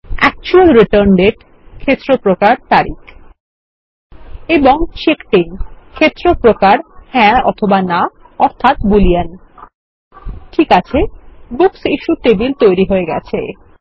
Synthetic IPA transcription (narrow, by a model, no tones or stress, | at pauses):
ɛ̰k̚t͡ɕualɾiʈəɾnɖeʈ | kʰet̪ːɾopɾokaɾt̪aɾik | eboŋʃekʈinkʰet̪ːɾopɾokaɾhɛ̃ɔ̰t̪ʰobana | ɔɾt̪ʰat̪bulian | ʈʰikat͡ɕʰebuksiʃuʈebilt̪ojɾiɦoeɡɛt͡ɕʰḛ